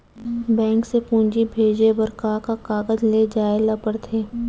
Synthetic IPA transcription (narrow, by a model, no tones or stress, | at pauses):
bɛ̃ːŋksepũːɲd͡ʒibʱeːd͡ʒebəɾkaːkakaːɡəzled͡ʒaːelɐbəɾt̪ʰeː